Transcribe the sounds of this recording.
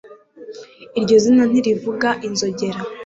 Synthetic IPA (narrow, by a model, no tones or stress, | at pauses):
iɾɟo̞zinan̥iɾivuɡaʔinzo̞ɟe̞ɾa